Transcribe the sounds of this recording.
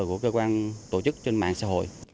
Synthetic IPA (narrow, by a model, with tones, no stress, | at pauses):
ku˧˩əkə˧jkwaː˧nt̪o˧˩t͡ɕɨ˦˥k̚t͡ɕe˧nma̰ː˧˨ŋsaː˧˥ɦo̰˧˨jʔ